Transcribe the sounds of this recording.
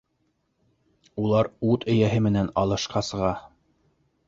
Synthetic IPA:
ulˠɑɾut̪ɵ̆jæɦɘmɘ̆nænɑlˠɤ̆ʃqɑsɤ̆ʁɑ

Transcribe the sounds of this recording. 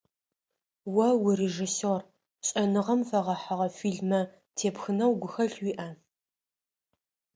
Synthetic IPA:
wɐwʊreʒisor | ɕʼɐnɨʁɐmfɐʁɐħaʁɐfiːɮmɐ | tʰeːpxɨnɐwɡʷʊxɐɬwiːʔɐ

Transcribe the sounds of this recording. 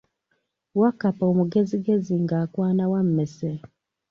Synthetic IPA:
wakapoːmuɡe̞ziɡe̞ziŋɡaːkwaːnawam̩ːese

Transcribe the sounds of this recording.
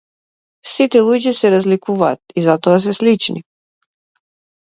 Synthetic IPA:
sit̪ɛlˠuɟisɛɾazlikuvaːt̪izat̪ɔas̬ɛslit͡ʃnḭ

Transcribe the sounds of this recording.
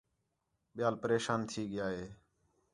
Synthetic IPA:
ɓɪjaːlpəɾeːʃaːnt̪ʰiːɠɪjaːɦeː

